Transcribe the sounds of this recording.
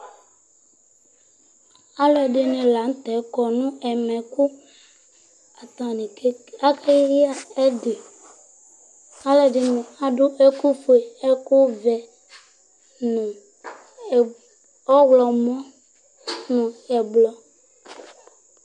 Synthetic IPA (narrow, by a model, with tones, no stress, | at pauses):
a˦lɔ˨ɖe˨nẽ˨la˨˦ŋ̩˦t̪ɛ˨˦kɔ˨nũ˦ɛ˨mɛ̃˨ku˦ | a˨t̪ã˨ne˨˦a˦kʰe˦jji˦a˦e˦de˨ | a˦lɛ˨ɖe˨nẽ˨a˨ɖo˦ʔe˦ku˦fe˨e˦ku˦vɛ˨ | nũ˨ | ɔ˦wlɔ˨mɔ̃˦ | nũ˨ɛ˨blɔ˨